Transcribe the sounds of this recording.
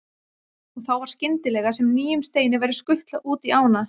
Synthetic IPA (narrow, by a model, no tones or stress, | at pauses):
ɔɣθawvaɾ̥scɪnt̪ɪlɛɣasɛmniːjʏmst̪eːjnɪvajɾʏskʏht̪laʔuːt̪iaːwna